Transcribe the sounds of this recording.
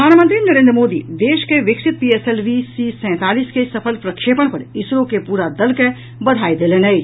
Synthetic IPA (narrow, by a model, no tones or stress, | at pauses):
pəd̪ʱaːnmənt̪ɾinəɾẽːnd̪ɾəmoːd̪ḭd̪eːʃkeʋɪksɪt̪̚pieselʋisisɛ̃ːt̪aːliːskesəpʰəlpɾəkʃepəɽ̃pəɾeɪsɾõkepuːɾad̪əlke | bəd̪ʱaːid̪eːlenəj